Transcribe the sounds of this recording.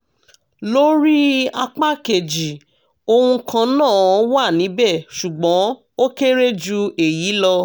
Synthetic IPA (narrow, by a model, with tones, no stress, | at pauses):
lo˦ɾi˦a˧k͡pa˦ke˨d͡ʒi˨ | o˧hũ˧kʰã˧˦nã˦˨˦wa˦˨nĩ˨˦bɛ˦˨ʃu˨ɡ͡bɔ̃˨˦ | o˦ke˦ɾe˦d͡ʒu˧e˨ji˨˦lɔ˧